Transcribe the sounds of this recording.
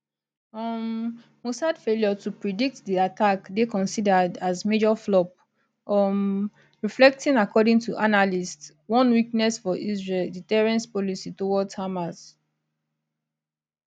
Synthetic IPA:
ʌm | musadfeljɔtupɹidik̚tdiatakdekɔ̃nsidədazmed͡ʒɔflɔp̚ | ɔm | ɹiflɛk̚tĩnakɔdĩŋtuʔanalists | wɔ̃nwiknɛsfɔʔizɹelditɛɹɛ̃nspɔlisitowɔdtʰamas

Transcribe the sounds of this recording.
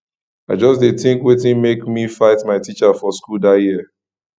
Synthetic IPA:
aɪd͡ʒɔsdeθĩŋkwetĩnmekmifaɪtmaɪtit͡ʃafɔskuldajiə

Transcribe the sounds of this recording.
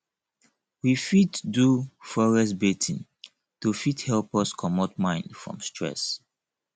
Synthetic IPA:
wifiddufɔɹɛsbetʰĩn | tufithɛlpɔskʰɔmɔtmãɪ̃ndfɹɔ̰̃mstɹɛ̰s

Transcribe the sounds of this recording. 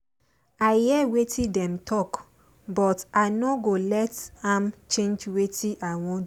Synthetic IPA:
aɪhiɛwetĩdɛ̃mtʰɔk | bɔtaɪnɔɡolɛtãmt͡ʃẽnd͡ʒwetiʔawɔ̃n

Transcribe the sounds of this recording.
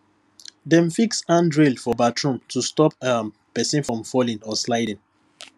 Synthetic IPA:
dɛ̃mfiksãndɹelfɔbatʰɹũmtʰustɔpə | pɛsĩnfɹɔ̃mfɔlĩnɔslaɪdĩn

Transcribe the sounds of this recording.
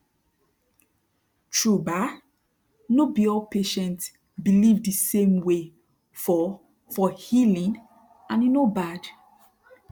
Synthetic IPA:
tɹuba | nobiɔlpʰeʃɛ̃nt | bilivdisẽmwe | fɔ | fɔhilĩn | ãninobad

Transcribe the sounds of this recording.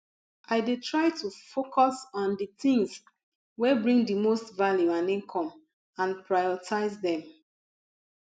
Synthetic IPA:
aɪdetʰɹaɪtufokʰɔsɔ̃ndiθĩŋz | wɛbɹĩŋdimostvaljuãnĩŋkʰɔ̃m | ãnpɹajɔtʰaɪzdɛ̃m

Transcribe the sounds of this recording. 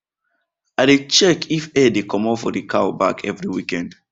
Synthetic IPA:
aɪdet͡ʃɛkʰifɛdekʰɔ̃mɔfɔdikʰawbakʰɛvɹiwikɛ̃nd̥

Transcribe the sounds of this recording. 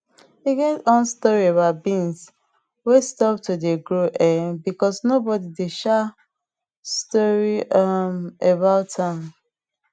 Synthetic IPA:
hiɡɛtɔ̃nstɔɹiebaʊtbĩns | westɔp̚tudeɡɹoʔɛbikɔsnobɔdideʃa | stɔɹiamebaʊtʰãm

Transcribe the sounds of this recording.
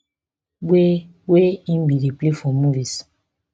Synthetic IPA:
ɡ͡bwe | weimbiɾiplefɔmuvis

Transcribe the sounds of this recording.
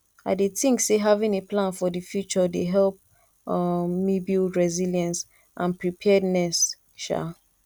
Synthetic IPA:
a̰ɪdeθĩŋkseɦavĩnepʰlãnfɔdəfjut͡ʃɔdeɦɛlp̚ | mibilɹɛziljãns | ʔãnpɹipʰɛdnɛs | ʃa̰

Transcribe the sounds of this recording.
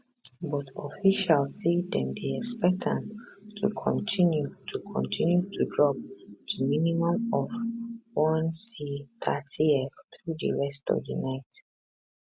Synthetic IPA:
bɔtɔfiʃalsidɛ̃mdeɛkspɛk̚tɛ̃mtʰṵkʰɔ̰̃ntʰĩnjutʰukʰɔ̰̃ntʰĩnjutʰudɹɔp̚dəminimɔ̃mɔvwɔ̃nsiθʰatʰiɛfθɹudə̰ɹɛstɔ̰vdə̰naɪt

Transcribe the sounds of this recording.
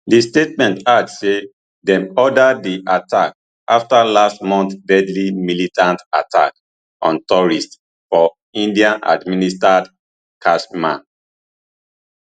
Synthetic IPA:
distetmɛ̃ntadsse | dɛ̃mɔdadiʔatʰak̚ | aftalastmɔ̃nt̪dɛdlimilitãntatʰa̰k | ɔ̃ntɔɹist | fɔ | ĩndiãnʔa̰dministad | kʰasmã̰n

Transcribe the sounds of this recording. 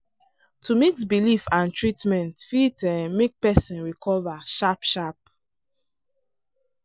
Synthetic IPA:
tumiksbilifãntɹitmɛ̃ntfitɛmek̚pɛsĩnɹikʰɔvaʃapʃap̚

